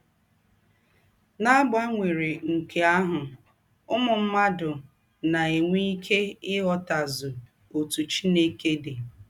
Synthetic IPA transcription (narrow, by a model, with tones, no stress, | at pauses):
na˦ɡ͡ba˦ŋʷe˨ɾe˨ŋ̩˨kʰe˨a˦ɦʊ˨ | ʊ˦mʊ˨m̩˦ma˦dʊ˨ | na˨e˨ŋʷi˦i˦kʰe˦ɪ˦ɣɔ˦ta˨zʊ˨ | o˨tu˨t͡ʃi˦ne˦ke˦de˨